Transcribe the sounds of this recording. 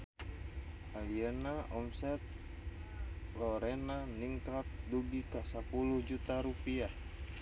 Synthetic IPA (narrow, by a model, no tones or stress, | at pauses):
ajənaɔmsɛt̪̚ | lɔɾɛnaniŋkat̪̚duɡikasapuluhd͡ʒut̪aɾupia